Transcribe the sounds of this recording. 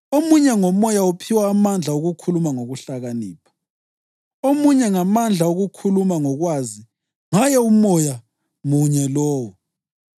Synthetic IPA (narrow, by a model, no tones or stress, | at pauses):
omuɲɛŋɔmɔjaupʰiwaːmand͡ɮʱaoɣukʰulumaŋoɣuɬaɣaniːpʰḁ | omuɲɛŋamand͡ɮʱaoɣukʰulumaŋɔɣwazi | ŋajɛumɔja | muɲɛlɔːwɔ